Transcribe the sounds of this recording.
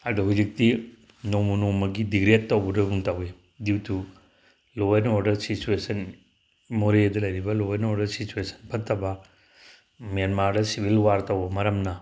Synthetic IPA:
adɐɦud͡ʒik̚ti | nowmɐnowmɐɡidiɡɾettːɐwbɐdɐbuŋtawe | diwtʰu | loenoɾdɐɾsit͡ʃuesɐn | moɾedɐlɐjɾibɐlowenoɾdɐɾsit͡ʃuesʰɐ̥npʰɐtːɐbɐ | mijanmaɾdɐsibʱilwaɾtɐwbɐmɐɾɐmnɐ

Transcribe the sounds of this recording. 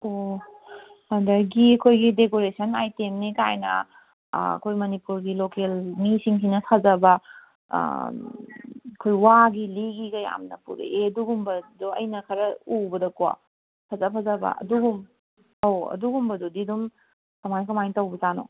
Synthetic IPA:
o | hɐndɐɡiɐkʰojɡidekoɾesɐnajtemnikajnɐ̰ | ɐ̰kʰojmɐnipuɾɡilokelmisiŋsinɐsʰazɐbɐ̰ | kʰojwaɡiliɡiɡɐja̰mnɐpṵɾ̰eɐduɡumbɐduɐ̰jnɐkʰɐɾɐubɐdɐkowa̰ | pʰazapʰɐzabɐ̰ɐ̰duɡum | awɐ̰duɡumbɐdudidum | kɐmajkɐmajtɐwbɐzano̰

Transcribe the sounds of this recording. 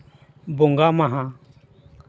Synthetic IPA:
bʊŋɡaːmaɦã

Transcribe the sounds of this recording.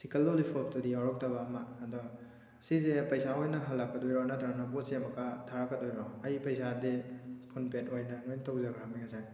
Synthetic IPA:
sikɐlːolipʰop̚tudiaɾɔk̚tɐbɐːmɐːdɔ | sizepɐjsaojnɐɦɐlːakːɐdojɾɔnɐtɾaŋnapot̚semɐkatʰaɾakːɐdojɾɔɐjpɐjsadipʰunpetojnɐnojntawzakʰaɾamiŋɐsan

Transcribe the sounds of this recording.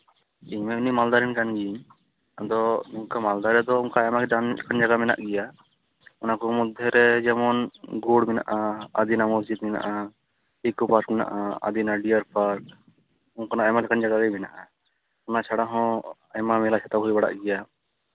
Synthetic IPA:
imɛunimald̪aɾɛnkanɡiiɲ | d̪ɔuŋkamald̪aɾɛd̪ɔuŋkaɛmakɛd̪ankand͡ʒaɡamɛna̰ʔɡɛja | ɔnakɔmɔd̪ʱːɛɾɛd͡ʒɛmɔnɡuɽmɛna̰ʔaa̰d̪inamɔsd͡ʒid̪̚mɛna̰ʔa | ikupaɾkmɛna̰ʔaa̰d̪inaɖijaɾpʰaɾk | ɔŋkɔnaamalɛkand͡ʒaɡaɡajmɛna̰ʔa | ɔnat͡ʃʰaɽaɦɔ̃ | jmamɛlat͡ʃʰat̪abɦɔibaɽa̰ʔɡɛja

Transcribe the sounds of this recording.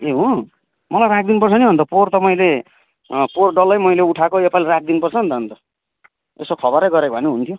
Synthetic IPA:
eɦũ | mʌlajrak̚d̪inpʌrt͡sʰʌniɦʌnt̪ʌport̪ʌmʌjle | porɖʌlːʌjmʌjleuʈʰakoepalrak̚d̪inpʌrt͡sʰʌɦːnt̪ʌɦʌnt̪ʌ | esokʰʌbʌɾʌjɡʌɾekbʱʌneɦunt̪ʰjo

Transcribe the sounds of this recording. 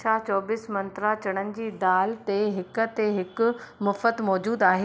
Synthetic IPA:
at͡ɕɔːbɪsmɐ̃nt̪ɾat͡ɕɐɽ̃ənɪ̆d͡ʑiːd̪aːlt̪eɦɪkə̆t̪eɦɪkʊ̆mɐfət̪mɔːd͡ʑuːd̪aːɦeː

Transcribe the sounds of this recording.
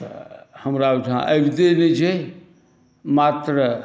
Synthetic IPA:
həmɾad͡ʒɦã̰ʔəjbʱd̪enet͡ʃʰɛ | mat̪ɾə

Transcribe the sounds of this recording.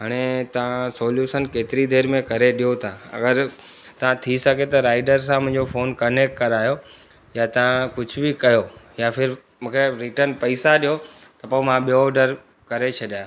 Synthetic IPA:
ɦaːɽ̃et̪ɐʋãsoːljuːʃənkeːt̪ɪɾid̪ʱeːɾmẽkɐɾeɗijot̪ʰaɐ̰ɡəɾ | t̪ɐʋ̤ãt̪ʰisɐɡʱet̪ɐɾaːɪɖəɾs̬ãmɐ̃ɪ̃ɲd͡ʑofoːnkɐnek̚ʈkɐɾaːijo | jat̪ɐʋ̤ãkʊd͡ʑʱʊbɪkɐjojafʰɪɾ | mũːkeɾɪʈəɾnpɐisaɗijo | t̪ɐpoːmãɓijoɖəɾ | kɐɾet͡ɕʰɐɗjaːjõ

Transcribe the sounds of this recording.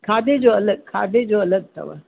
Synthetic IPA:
kʰaːd̪ed͡ʒoɐləɡ̚kʰa̰ːd̪ed͡ʒoɐləɡ̚t̪ɐ̰ʋa̰

